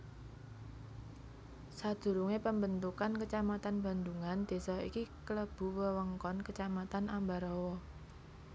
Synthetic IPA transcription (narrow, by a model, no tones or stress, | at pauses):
sad̪̥ṳɾuŋepəmbənt̪ukankət͡ʃamat̪anb̥a̤nd̪uŋand̪̥e̤sɔḭkikələb̥ṳwəwəŋkɔnkət͡ʃamat̪anʔambaɾɔwɔ